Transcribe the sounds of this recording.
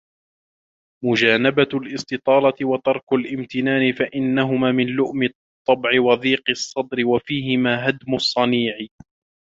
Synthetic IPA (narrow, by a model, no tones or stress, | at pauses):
mʊd͡ʒaːnabalʔɪst̪ɨt̪ˤɑːlɑt̪ɪwɑt̪ɑɾˤkʊlʔɪmt̪ɪnaːnɪfaʔɪnːaɦʊmaːmɪnlʊʔmɪt̪ˤːɑbʕɪwɑðiːqɨsˤːɑd̪ɾɪwafiːhɪmaːɦad̪mʊsˤːɑniːʕɪ